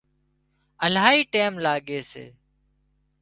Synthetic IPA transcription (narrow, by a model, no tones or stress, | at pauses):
əlaːɦiːʈeːmlaːɠeːsḛː